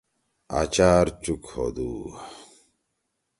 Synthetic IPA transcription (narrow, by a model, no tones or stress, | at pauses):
a̰t͡ɕaːɾt͡ɕukho̰d̪uː